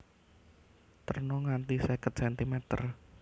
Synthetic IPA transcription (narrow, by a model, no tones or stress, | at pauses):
t̪ərnoŋant̪isɛkət̪̚sɛnt̪imet̪ə̰r